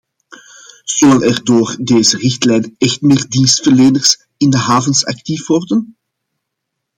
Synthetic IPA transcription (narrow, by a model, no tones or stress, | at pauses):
z̥ølənɛrdoːrdeːzərɪxtlɛjnɛxtmeːrdinstfərleːnərs | ɪndəɦaːvənsɑ̰k̚tifʋɔrdən